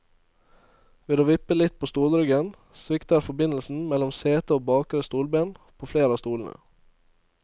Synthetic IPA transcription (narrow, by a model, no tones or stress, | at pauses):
ʋeːd̪oːʋɪpəlɪt̪̚pʰoːst̪uːlɾʏɡən | sʋɪkt̪ɑɾfɔbɪnl̩sn̩mɛlɔmseːt̪əoːbɑːkəɾəst̪uːlbeːnpʰoːfleːɾəɑːst̪uːln̩ə̰